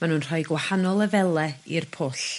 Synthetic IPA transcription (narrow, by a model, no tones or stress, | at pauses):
manuːnr̥ɔjɡwahanɔlˠəvɛlˠɛirpʰoːɬ